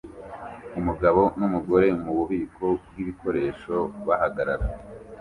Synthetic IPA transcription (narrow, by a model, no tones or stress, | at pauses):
umuɡaβo̞numuɡo̞ɾe̞muβuβiːkʰo̞b̚ɡiβiko̞ɾe̞ːʃo̞βahaɡaɾaɾa